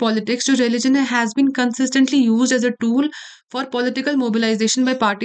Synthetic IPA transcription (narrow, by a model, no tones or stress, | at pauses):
pɔːlɪʈɪksd͡ʒoːɾɛlɪd͡ʒə̃nɦɛzbĩːnkə̃nsɪsʈə̃ɳʈlijuːzɖɛzəʈuːl | fɔːɾpɔlɪʈɪkəlmoːbɪlaɪzeːʃə̃nbaɪpaːɾʈi